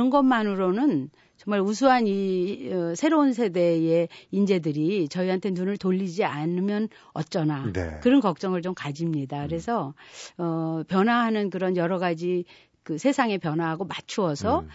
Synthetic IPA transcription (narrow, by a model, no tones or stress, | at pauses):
ʌnɡʌnmanɯɾonɯn | t͡ɕʌŋmaɭus̬ʰuɦaniʌsʰe̞ɾounsʰe̞de̞e̞ind͡ʑe̞dɯɾit͡ɕʌiɦantʰe̞nunɯɭtoʎːid͡ʑianɯmjʌn | ʌ̰t̚t͡ɕ͈ʌnaḛkɯɾʌnkʌk̚t͡ɕ͈ʌŋɯɭt͡ɕomkad͡ʑimɲidakɯɾe̞sʰʌʌpjʌnɦwaɦanɯnkɯɾʌnjʌɾʌɡad͡ʑi | kɯsʰe̞sʰaŋe̞pjʌnwaɦaɡomat͡ɕʰuʌsʰʌ